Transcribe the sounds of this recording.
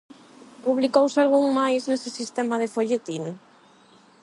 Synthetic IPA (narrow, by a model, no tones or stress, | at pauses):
puβ̞likowsalɣ̞uŋmajznesesist̪ɛmað̞efoʎet̪iŋ